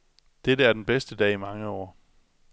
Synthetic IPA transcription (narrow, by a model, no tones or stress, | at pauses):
d̥eɾəæɐd̥enb̥esd̥əd̥ɛ̰ːimɑ̈ŋəɒ̰ː